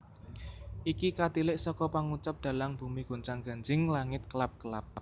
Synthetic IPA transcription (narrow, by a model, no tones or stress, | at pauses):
ʔikikat̪ilɪʔsɔkɔpaŋut͡ʃap̚d̪̥ä̤laŋb̥ṳmiɡ̥o̤nt͡ʃaŋɡ̥a̤nd͡ʒɪŋlaŋɪt̪̚kəlap̚kəlap̚